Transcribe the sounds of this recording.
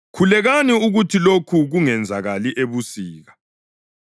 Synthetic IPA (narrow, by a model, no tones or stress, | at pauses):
kʰulɛɣaniuɣutʰilokʰuɣuŋɛnd͡zʱaɣaliʔeβusiːɣa